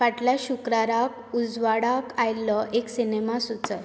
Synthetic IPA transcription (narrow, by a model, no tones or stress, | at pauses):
ʋaʈljaɕukɾaɾak | ud͡zʋaɽakajlɔʔeksinemasut͡sə